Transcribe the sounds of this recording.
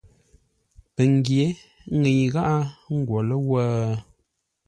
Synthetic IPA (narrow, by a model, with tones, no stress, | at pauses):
pə˨ŋ˨˦ɡje˨˦ | ŋe˨ɲɣa˦ʔa˦ŋ̩˦ɡwɔ˨lə˦wə˦